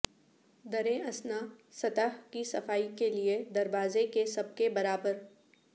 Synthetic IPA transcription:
d̪ɐɾẽɐsnasɐt̪əɦkisɐfaːikelied̪ɐɾbaːzekesɐb̚kebɐɾaːbəɾ

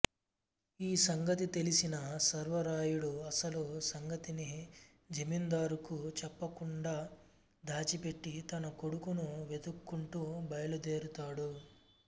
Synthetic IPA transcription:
iːsɐŋɡɐt̪it̪e̞lisinɐsɐɾʋɐɾaːjuɽuɐsɐlusɐŋɡɐt̪ini | d͡ʒɐmind̪aːɾukut͡ʃɛpːɐkuɳɖaː | d̪ʱaːt͡ʃipe̞ʈːit̪ɐnɐko̞ɽukunuʋe̞d̪ukːuɳʈuːbɐjɐlud̪eːɾut̪aːɽu

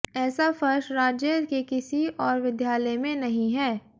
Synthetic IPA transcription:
ɛːsafɐɾʃɾaːd͡ʒjəkekɪsiɔːɾʋɪd̪ʱjaːləjmẽnɐɦĩɦɛː

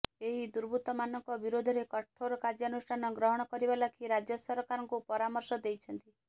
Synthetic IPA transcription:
eɦid̪uɾbʱut̪ɔmanɔŋkɔbiɾod̪ʱɔɾekɔʈʰoɾɔkad͡ʒjɔnusʈʰanɔɡɾɔɦɔɽ̃ɔkɔɾibalakʰiɾad͡ʒjɔsɔɾkaɾɔŋkupɔɾamɔɾsɔd̪ejt͡ʃʰɔnt̪i

